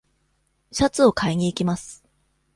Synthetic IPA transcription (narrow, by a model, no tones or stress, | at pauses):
ɕat͡sɨo̞kʰaiɲ̟iːkʲimasɨ̥